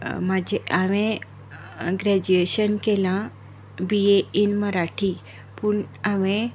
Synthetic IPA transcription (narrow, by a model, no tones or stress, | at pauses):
mad͡ʑeʔaʋẽ | ɡɾɛd͡ʑueʃənkelã | bieinməɾaʈʰi | pʊɳaʋẽ